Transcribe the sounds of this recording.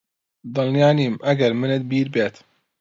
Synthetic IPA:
d̪ɨlnjaːniːmʔɐɡɐɾmɨnɨt̪̚biːɾbeːt̪

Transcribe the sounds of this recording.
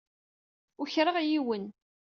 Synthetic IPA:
ʊçɾˤəʁjiwən

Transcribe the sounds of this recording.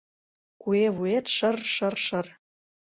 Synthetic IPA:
kueβuet̪ʃɤ̆rʃɤ̆rʃɤ̆r

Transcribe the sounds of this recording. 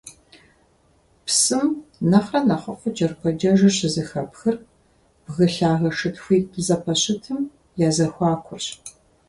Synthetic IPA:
psɨmnɐχrɐnɐχɐfʷʊd͡ʒɐrkʷʰɔd͡ʒɐʒɐɕɪzɨxɐpxɨr | b̥ɣɨɬaːɣɐʂɨtʰxʷiːkʰɨzɐpʰɐɕɪtʰɨm | jaːzɐxʷɑːkʷʰʊrɕ

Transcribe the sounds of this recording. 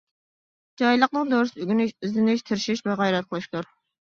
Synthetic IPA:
d͡ʒɑjlˠəqnɨŋd̪oɾɨsɪyɡʲinɪʃyznɪnɪʃt̪ʰɪɾʃiʃvɛʁæjɾɛt̪̚qʰəlˠɨʃt̪ʰuɾ

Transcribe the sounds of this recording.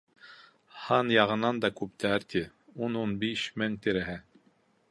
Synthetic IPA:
hɑnjɑʁɤ̆nɑnd̪ɑkʉp̚t̪ʰæɾt̪ʰi | ununbiɕmɘnt̪iɾæɦæ

